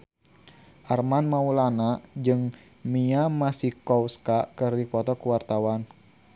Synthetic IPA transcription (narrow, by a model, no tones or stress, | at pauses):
ʔarmanmaulanad͡ʒɨŋ | miamasihkɔwskakɨrdipɔt̪ɔkuwart̪awan